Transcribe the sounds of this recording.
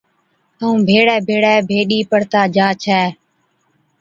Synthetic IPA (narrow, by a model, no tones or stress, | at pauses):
t̪əũːbʱeːɽɛːbʱeːɽɛːbʱeːɗiːpəɽt̪aːd͡ʒaːt͡ʃʰɛː